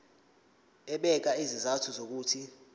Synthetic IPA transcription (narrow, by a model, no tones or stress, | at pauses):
ɛɓɛk̬aizizatʰuzok̬uːtʰi